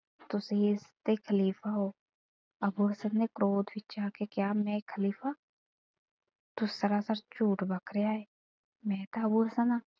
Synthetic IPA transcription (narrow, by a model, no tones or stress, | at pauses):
t̪ʊsest̪ekʰəliːfaɦoː | ɐbuɦəsənːekɾoːd̪bʱɪt͡ʃaːkekjaːmɛ̃kʰəliːfa | t̪ʊsəɾasaɾt͡ʃuːʈbəkɾejaɦeː | mɛ̃ːt̪aɐbuɦəsənaː